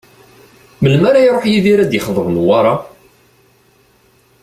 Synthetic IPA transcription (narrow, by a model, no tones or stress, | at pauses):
məlmæɾæjɾˤoħjiðiɾæd̪jəχəðˤəvnwɑɾˤɑ